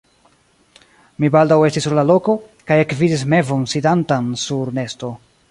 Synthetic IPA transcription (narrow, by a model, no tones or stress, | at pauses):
mibaldawe̞stisːuɾlalo̞ko̞kajekvidis̬me̞vo̞nsidantansuɾne̞sto̞